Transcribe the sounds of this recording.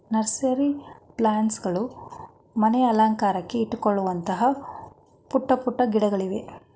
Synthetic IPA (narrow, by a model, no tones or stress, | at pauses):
nɐɾseɐɾiplaːɳsɡɐɭu | mɐnɛjɐlaːŋkaːɾɐkːe̞iʈːukoɭːuʋɐnt̪ɐɦɐ | puʈːɐpuʈːɐɡiɽɐɡɐɭiʋe̞